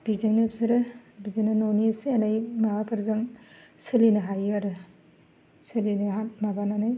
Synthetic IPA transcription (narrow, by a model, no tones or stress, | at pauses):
b̥izɯŋnɯpsɯɾɯbizenanonisɯanajmabapʰɯɾzɯŋ | sɯlinɯɦajaɾɯ | sɯlinɯamabananaj